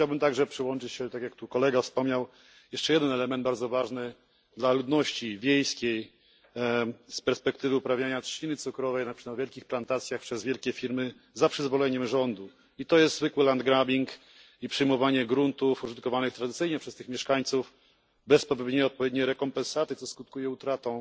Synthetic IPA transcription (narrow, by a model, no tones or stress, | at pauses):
t͡ɕawbɘmt̪aɡʐɛpʂɘwɔnt͡ʂɘt͡ɕɕɛt̪akʲjak̚t̪ukɔlɛɡafspɔmɲaw | jɛʂt͡ʂɛjɛd̪ɛnɛlɛmɛnd̪̚baɾd̪zɔvaʐnɘ | d̪lalud̪nɔɕt͡ɕivʲjejskʲej | spɛɾspɛkt̪ɘvɘupɾavʲjaɲatt͡ɕinɘt̪sukɾɔvɛjnaavʲjɛlkʲixplant̪at̪sʲjaxpʂɛzvʲjɛlkʲɛfʲiɾmɘ | zapʂɘzvɔlɛɲɛmʐɔnd̪u | it̪ɔjɛst̪zvɘkwɘland̪̚ɡɾabʲiŋk | ipʂɨjmɔvaɲɛɡɾunt̪ufuʐɨt̪̚kɔvanɨxt̪ɾad̪ɘt̪sɘjɲɛpʂɛst̪ɘxmʲjɛʂkaɲt̪suf | bɛspɔvʲjɔvʲed̪ɲejɔt̪̚pɔvjed̪ɲejɾɛkɔmpɛ̃nsat̪ɘt̪sɔskut̪̚kujɛut̪ɾat̪ɔ̃w̃